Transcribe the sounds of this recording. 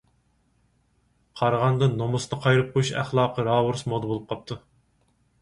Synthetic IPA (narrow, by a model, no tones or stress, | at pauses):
qʰɑɾʁɑnd̪ɨnomust̪ɑqʰɑjɾɨp̚qʰojuʃæ̰χlˠɑːqəɾɑːwuɾsmod̪bolˠup̚qʰɑp̚t̪ʰu